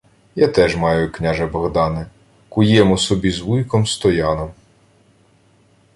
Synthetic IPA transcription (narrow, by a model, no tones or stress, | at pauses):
jat̪ɛʒmɑjʊiknʲaʒɐbɔɣd̪ɑnɪ | kʊjɛmʊsɔbʲizʋujkɔmst̪ɔjɑnɔm